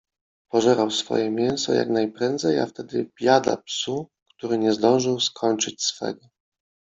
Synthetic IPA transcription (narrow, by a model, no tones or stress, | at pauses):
pɔʐɛɾawsfɔ̰jɛmʲjɛñsɔja̰knajpɾɛnd̪zɛja̰ft̪ɛd̪ɘb̥ʲjad̪a̰psukt̪uɾɘɲɛzd̪ɔ̃w̃ʐɘwskʰɔɲt͡ʂɘt͡ɕsfɛ̰ɡɔ